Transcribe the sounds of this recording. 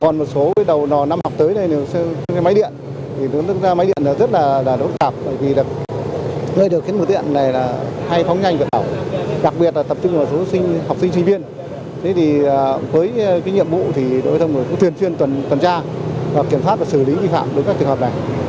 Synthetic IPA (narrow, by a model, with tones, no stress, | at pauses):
kɔ˨˩nmo˨˩t̚so˨˦vəː˨˦jɗə˨˩wnɔ˨˩na˧mha˨˩wk͡p̚t̪əː˨˦jna˨˩jne˨˩ə˧kːjma˨˦jɗḭ˧˨ən | t̪ʰi˨˩n˨˦˥zaː˧ma˨˦jɗḭ˧˨ənɗəː˨˧˩zə˦˥t̚laː˨˩laː˨˩ɗt̚t̪aː˨˩p̚ɓəː˧˩jvi˨˩ɗk̚ | nəː˧jɗɨ˨˩ək̚xi˨˦əmo˨˩t̪̚ḭ˧˨ənlaː˨˩laː˨˩ha˧jfa˨˦wŋ͡mɲa˧jŋ̟vi˨˩t̚ɗa˧˩wɗa˨˩k̚ɓi˨˩ət̚laː˨˩t̪ə˨˩p̚t͡ɕʊ˧ŋ͡mʔəː˧˩so˨˦sï˧ŋ̟ha˨˩wk͡p̚si̟˧t͡ɕʰï˧ŋ̟vi˧ən | t̪ʰe˨˦t̪ʰi˨˩əː˨˩vəː˨˦jkaː˨˦jɲḭ˧˨əmvṵ˧˨t̪ʰi˨˩ɗo̰˧˨˦t̪ʰŋ͡mŋː˨˩kʊ̰˧˥t̪wi˨˩ənswi˧ənt̪wə˨˩nt̪wa˨˩nt͡ɕaː˧vaː˨˩ki˧˨˩əmswa˦˥t̚vaː˨˩sɨ˧˩li˨˦vḭ˧fa̰ː˧˨mɗə˨˦jkaː˦˥t͡ɕʰŋɦə˨˩p̚na˨˩j